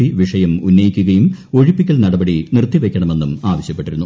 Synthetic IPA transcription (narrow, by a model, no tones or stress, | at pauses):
iʋiʂɐjɐmunːɐjikʲːuɣɐjumo̞ɻipːikʲːɐlnɐɽɐbɐɽinirt̪ːiʋe̞kʲːɐɳɐme̞nːumaːʋɐɕjɐpːeʈːiɾunːu